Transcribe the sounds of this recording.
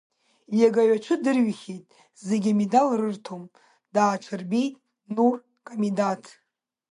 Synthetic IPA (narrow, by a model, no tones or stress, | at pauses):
jaɡaɥat͡ʃʷʰɨdɨrɥχʲejtʼ | zeɡʲimedalrɨrtʰom | d̥aːt͡ʃʷʰɨrbejtʼ | nur | kʼamidatʰ